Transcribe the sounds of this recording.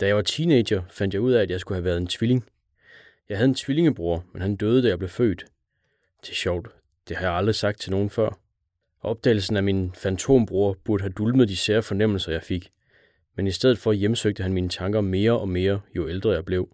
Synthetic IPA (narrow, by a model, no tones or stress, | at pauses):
d̥æjɑʋɑ̈t͡sʰiːne̥jɐfænd̥jɑ̈ɪuð̞̰ˠææd̥jɑɪsɡ̥uhæʋæɐð̞̩ˠe̝nt͡sʰʋile̝ŋ | jɑ̈ɦæð̞ˠe̝nt͡sʰʋile̝ŋəb̥ʁuɐmenɦænd̥øːð̞ˠd̥æjɑ̈ɪb̥le̝fø̰ːd̥ | t͡sʰe̝ɕɒʊ̰d̥ | d̥e̝hɑ̈jɑ̈ɪɑ̈ld̥ʁisɑ̈ɡ̥d̥̚t͡sʰelno̝ːn̩fɶɐ̰ | ʔɒ̽b̥̚d̥ɛ̰ːɪl̩sn̩æminfænt͡sʰo̝̰mb̥ʁuːɐb̥uɐɾəɦæd̥ulməð̩ˠd̥iseːɐfɒ̽nem̰l̩sɐjɑ̈ɪfeɡ̥ | menisd̥eð̞̰ð̩ˠfɒ̽jemsøɡ̥̚d̥əɦænmiːnət͡sʰɑ̈ŋɡ̥ɐme̝ːɐʔɒ̽me̝ːɐjo̝eld̥ʁɐjɑ̈ɪb̥le̝ʊ